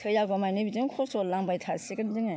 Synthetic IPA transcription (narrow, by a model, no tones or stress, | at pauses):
tʰɯjaɡamajnɯbidɯŋkʰɔsɔllːaŋbajtʰasiɡɯndɯŋa